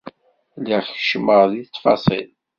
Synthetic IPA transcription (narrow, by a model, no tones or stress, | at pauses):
liʁçʃməʁðiθfɑ̰sˤḭl